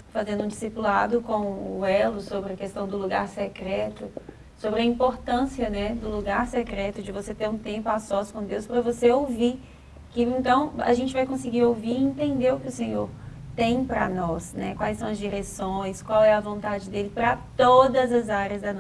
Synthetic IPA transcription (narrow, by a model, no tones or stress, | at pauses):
fazẽnd̪ʊũd͡ʒisipula̰d̪ʊkõʊɛlʊsobɾɪɐkest̪ɐ̃w̃d̪ʊluɡa̰ɾsɛkɾɛt̪ʊ | sobɾɪɐĩmpoɾt̪ɐ̃siɐnɛd̪ʊluɡaɾsɛkɾɛt̪ʊd͡ʒɪvoset̪eɾũt̪ẽmpʊasɔsʊ̥kõd̪ewspɾɐvoseowviɾ | kɪẽnt̪ɐ̃w̃ɐ̰ʒẽnt͡ʃɪvajkõsɪɡiɾowviɾẽnt̪ẽnd̪eɾʊkɪʊsẽɲoɾ | t̪ẽj̃pɾɐnɔsnɛkwajsɐ̃w̃ɐzd͡ʒiɾesõj̃skwawɛɐvõnt̪ad͡ʒɪd̪elɪpɾɐt̪od̪ɐzɐzaɾjɐzd̪ɐnɔ